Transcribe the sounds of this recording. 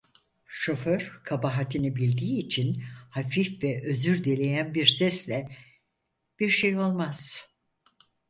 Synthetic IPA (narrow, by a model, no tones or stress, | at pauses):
ʃo̞føɾ̥kʰabaɦat̪ʰinibilʲd̪iːt͡ʃʰinhafifvɛʔø̞zyɾd̪elʲejænbiɾsɛslʲɛ | b̥iɾʃejo̞lˠmaz̥